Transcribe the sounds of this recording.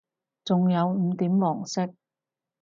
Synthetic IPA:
t͡sʊ˨ŋjɐ˨˧wm̩ː˨˧˦t̪iː˨˥mwɔː˨˩ŋsɪ˥k̚

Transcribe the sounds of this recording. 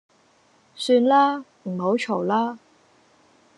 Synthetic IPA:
syː˧nlaː˥ | m̩˨˩ho˨˥wt͡ʃʰo˨˩wlaː˥

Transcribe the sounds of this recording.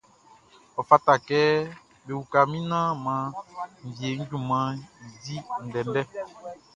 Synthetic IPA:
ɔ˨fa˦ta˨kɛ˦ | be˨wu˨ka˨mĩ˦nã˦mã˨˦m̩˨vje˨˦ŋ̩˦ɟũ˦˨mã˨˦˨zi˦n̩˨dɛ˨n˦dɛ˦

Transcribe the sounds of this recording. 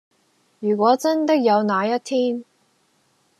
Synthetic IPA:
jyː˨˩kʷɔː˨˥t͡sɐ˥nt̪ɐ˥k̚jɐ˨˧wnaː˨˧jɐ˥t̚t̪ʰiː˥n

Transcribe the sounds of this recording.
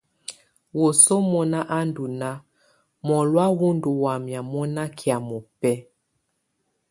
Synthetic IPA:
wo˨so˦mɔ˦na˦ʔa˦ndu˨na˦ | mɔ˨lwa˦wu˦ndu˨wa˨mja˨mɔ˦na˦kʰja˨mɔ˨pɛ˦

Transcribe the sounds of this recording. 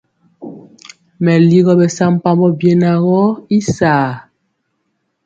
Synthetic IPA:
mɛ˨li˦ɣɔ˦bɛ˨sa˦m˦pa˦mbɔ˦bje˦na˨ɣɔ˦i˦saː˨

